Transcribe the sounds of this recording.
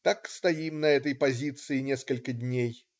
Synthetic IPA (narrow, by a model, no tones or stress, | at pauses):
t̪akst̪ɐimnɐɛt̪əjpɐzʲit̪sɨɪnʲeskəlʲkədʲnʲej